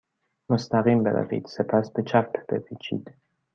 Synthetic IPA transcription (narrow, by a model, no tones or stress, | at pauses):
must̪aʁimbela̰vḭd̪sepʰaspet͡ʃapːbevit͡ʃḭd̪̥